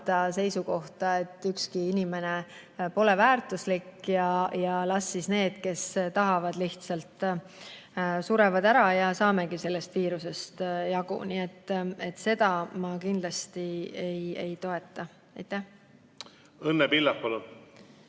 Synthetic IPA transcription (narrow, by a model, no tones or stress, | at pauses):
t̪ɑse̞jsuko̞ht̪ɑe̞t̪ːˑykskiinʲime̞ne̞ | po̞le̞væːrt̪ˑuslikːjɑjɑlɑsːisne̞ːd̪̥ke̞st̪ɑɦɑvɑd̪liht̪sɑlt̪ˑ | suɾe̞vɑd̪æɾɑjɑsɑːme̞ɡise̞lːe̞st̪viːɾuse̞st̪jɑɡṵniet̪ːˑe̞t̪ːˑse̞d̪̥ɑmɑkind̪lɑst̪ieje̞jt̪o̞e̞t̪ːˑɑ | ejt̪ˑːæh | ɤnːepilːɑppɑlu